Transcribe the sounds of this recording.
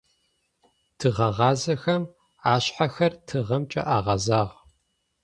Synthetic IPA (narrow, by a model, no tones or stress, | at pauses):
tʰɨʁɐʁɑːzɐxɐm | aːɕħaxɐrtʰɨʁɐmt͡ʃʼɐ̰ʔaːʁɐzaːʁ